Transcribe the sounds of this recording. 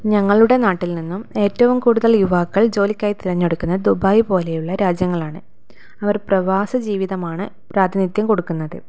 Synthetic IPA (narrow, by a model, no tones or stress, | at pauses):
ɲɐŋːɐɭuɽe̞naːʈːilninːume̞ːtːɐʋumkuːɽuðɐljuʋaːkːɐɭd͡ʑo̞ːlikʲːaːjit̪iɾɐɲːo̞ɽukːunːɐd̪ubaːjpo̞ːle̞juɭːɐɾaːd͡ʑjɐŋːɐɭaːɳɨ | ɐʋɐrprɐʋaːsɐd͡ʑiːʋiðɐmaːɳɨ | pɾaːd̪ʱinit̪jɐmkoɽukːunːɐðɨ